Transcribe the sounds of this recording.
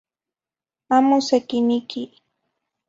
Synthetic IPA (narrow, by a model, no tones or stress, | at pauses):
amʊsakɪnɪkɪ